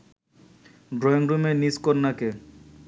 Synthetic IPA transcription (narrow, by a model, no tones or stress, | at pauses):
ɖɾɔjoŋɾumeniskoɾnake